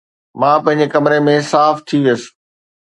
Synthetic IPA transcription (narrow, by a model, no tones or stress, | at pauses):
mãːpɐ̃ɦɪ̃ɲd͡ʑekɐmɾemẽsaːft̪ʰiʋijəsɪ̥